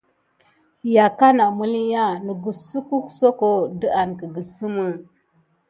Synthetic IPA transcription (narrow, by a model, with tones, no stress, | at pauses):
ja˨ka˦na˨mu˦li˦ja˦nə˨ɡu˨su˦ku˦kso˦ko˦də˦ʔa˨nkə˨ɡə˨sɨ˦mə˦